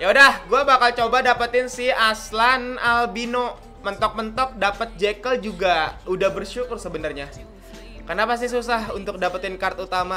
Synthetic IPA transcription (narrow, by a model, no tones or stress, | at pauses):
jadahɡuabakalt͡ʃobadapət̪ɪnsɪhaslanalbino | mənt̪ɔk̚mənt̪ɔk̚dapət̪̚d͡ʒekəld͡ʒuɡaudahbərʃukʊrsəbənarɲa | kərnapas̬t̪is̬usaɦunt̪ʊk̚dapət̪ɪnkart̪ut̪ama